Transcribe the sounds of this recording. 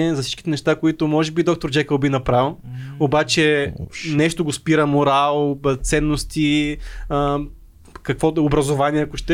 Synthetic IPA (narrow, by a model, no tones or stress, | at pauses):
ɛzɐfsit͡ʃk̟i̥t̪ɛnɛʃt̪akoit̪ʊmɔʒɛbid̪ɔk̚t̪oɾd͡ʒɛkəlˠbinɐpɾalˠobat͡ʃɛnɛʃt̪oɡospiɾɐmoɾalˠt̪sɛnːost̪iə | kɐkvɔobɾɐzovaniɛɐkʊʃt̪ɛ